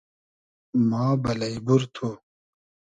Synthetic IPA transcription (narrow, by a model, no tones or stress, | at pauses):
mãːbɐlɐjbuɾt̪ʰo